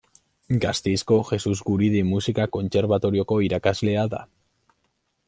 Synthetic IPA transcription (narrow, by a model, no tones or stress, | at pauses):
ɡast̪esko̞xe̞suzɡuɾiðimusikako̞nt͡se̞ɾβat̪o̞ɾio̞ko̞iɾakazle̞aða̰